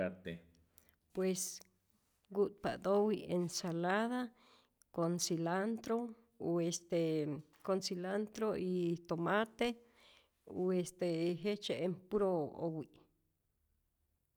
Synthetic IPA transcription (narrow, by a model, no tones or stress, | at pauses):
at̪e | pwes | ɡuʔt̪̚pa̰ʔd̪owiensalaða | konsilant̪ɾo | uest̪e | konsilant̪ɾoit̪omat̪e | uest̪eɦet͡ʃeempuɾoo̰wiʔ